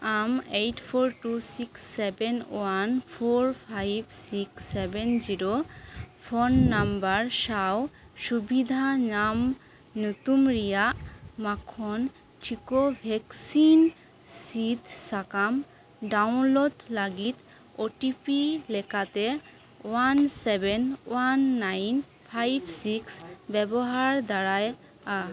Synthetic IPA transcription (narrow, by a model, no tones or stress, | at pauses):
amejʈfʰoɾʈusiksːebenoanfʰoɾpʰajbsiksːebend͡ʑiɾo | fʰonːambaɾʃaw | ʃubid̪ʱanam | nut̪umɾijamakʰːon | ʈʰikobʱɛksin | sit̪sakam | ɖawnlod̪laɡit̪ | oʈipilekat̪e | wansebenwanːajn | pʰajbsiksbɛboɦaɾd̪aɾaj | a